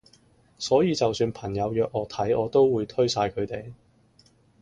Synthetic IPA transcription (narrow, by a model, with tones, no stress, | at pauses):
sɔː˨˥jiː˨˧t͡sɐ˨wsyː˧npʰɐ˨˩ŋjɐ˨˧wjœː˨k̚ɔː˨˧t̪ʰɐ˨˥jɔː˨˧t̪o˥wwuː˨˧jt̪ʰɵ˥ɥsaː˧jkʰɵ˨˧ɥt̪e˨j